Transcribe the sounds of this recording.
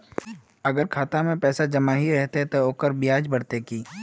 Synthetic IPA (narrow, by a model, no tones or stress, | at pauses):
ɐɡəɾkʰaːt̪amẽpɛːsad͡ʒɐmaɦiɾɛɦt̪eɦɛ̃t̪ooːkəɾbijaːd͡ʒbɐɽt̪ekiː